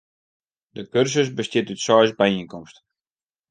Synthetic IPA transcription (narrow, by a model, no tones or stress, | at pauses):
dəkørsəs̬bəstɪtytsɔjsbɛiŋkɔmst